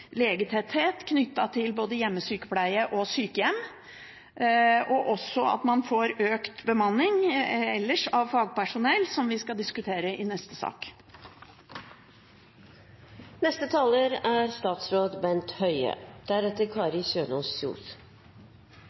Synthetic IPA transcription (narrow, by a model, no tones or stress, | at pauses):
leːɡət̪hɛt̪heːt̪kʰnʏt̪ːɑt̪ʰɪlboːd̪əjɛmːəsyːkə̥pʰlæɪəʔɔsyːkəjɛm | ʔɔʔɔsɔɑ̰t̪mɑnfoːɾøːkt̪bəmɑnːɪŋɛlːəʂɑʋfɑːɡ̚pæʂʊnɛlsɔmʋɪskɑd̪ɪskʉt̪ʰeːɾəʔɪnɛst̪əsɑ̰ːk | nɛst̪ət̪ʰɑːləɾæːɾst̪ɑːt̪sɾoːd̪bɛnt̪hœʏə̰d̪̥æɾɛt̪əɾkʰɑːɾɪsøːnɔssṵːs